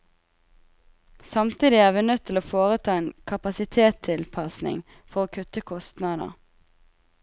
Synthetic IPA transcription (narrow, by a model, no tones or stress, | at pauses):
sɑmt̪ʰiːd̪ɪæːʁʋiːnœt̪ʰɪloːfoːʁət̪ʰɑːeːnkʰɑpɑsɪt̪ʰeːt̪ʰɪlpʰɑsnɪ̰ŋ | fɔʁoːkʰʉt̪əkʰɔst̪nɑd̪ə̰